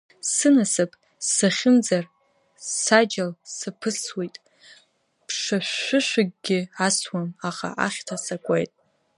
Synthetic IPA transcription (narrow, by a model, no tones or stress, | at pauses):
sɨnasɨpʼ | saχʲɪnd͡zar | sad͡ʒalsɨpʰɨswejtʼ | pʰʂaʃʷʊʃʷɪɡ̚ʲɡʲɪaswamaχa̰ʔa̰χʲtʰasakʷʼejtʼ